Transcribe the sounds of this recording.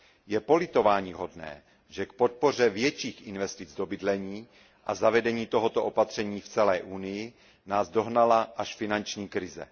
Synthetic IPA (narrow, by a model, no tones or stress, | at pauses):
jɛpo̞lɪt̪o̞vaːɲiːɦo̞dnɛ̰ː | ʒɛkpo̞t̪̚po̞r̝ɛvjɛt͡ʃiːxʔɪnvɛst̪ɪd͡zdo̞bɪdlɛɲiː | ʔazavɛdɛɲiːt̪o̞ɦot̪oʔopat̪r̝̥ɛɲiːft͡sɛlɛːʔuːnɪjɪ | naːzdo̞ɦnalaʔaʃfɪnant͡ʃɲiːkɾɪzɛ̰